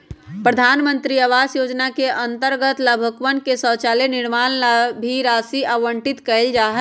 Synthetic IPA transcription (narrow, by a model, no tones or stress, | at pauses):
pɾəd̪ʱanmənt̪ɾiəʋasjod͡ʒnakeʔənt̪əɾɡət̪ləbʱəkʋənkesət͡ʃaleniɾmanlabʱiɾasiʔəʋəɳʈit̪kəld͡ʒaɦɛ